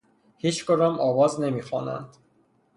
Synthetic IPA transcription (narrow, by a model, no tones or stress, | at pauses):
hiːt͡ʃkoɾɒːmʔɒːvɒːzne̞miːxɒːnæ̰nd̪̥